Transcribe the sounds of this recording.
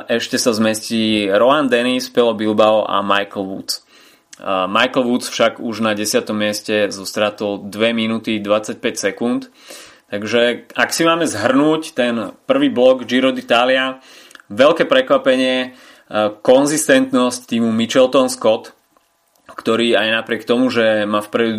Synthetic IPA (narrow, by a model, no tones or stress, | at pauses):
ʔɛʃcɛsazmɛsciːɾɔand̪ɛnispɛlɔbilbaɔʔa̰majkl̩ʋṵt͡s | majkl̩ʋut͡sfʃaɡuʒnaɟɛsɪat̪ɔmːɪɛscɛzɔst̪ɾaːt̪ɔld̪ʋɛminut̪id̪ʋat͡sac̚pɛcsɛkunt̪ | t̪aɡʒɛaksimaːmɛzɦr̩nuːct̪ɛnpr̩ʋiːblɔɡd͡ʒiɾɔd̪it̪aːlia | ʋɛlkɛːpɾɛkʋapɛɲɪɛ | kɔnzist̪ɛnt̪nɔsct̪iːmumit͡ʃɛlt̪ɔnskɔt̪ | kt̪ɔɾiːajnapɾɪɛkt̪ɔmuʒɛmaːfpɾɛd̪u